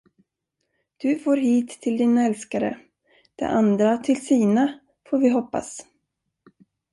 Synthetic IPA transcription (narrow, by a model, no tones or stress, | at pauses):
d̪̥ɵfoːɾɦiːt̪ʰːɪld̪iːnaɛlskaɾə̰ | d̪̥ɛ̰ʔand̪ɾat̪ʰɪlsiːna | foːɾvɪɦɔpːa̰s